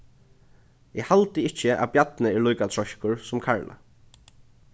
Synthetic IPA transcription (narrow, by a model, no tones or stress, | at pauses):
ɪhalt̪ɪɪht͡ʃːɪʔa̰bjat̪nɪɛɹluːjkat̪ʰɹɔʃkʊɹsʊmkʰaɹlʔa̰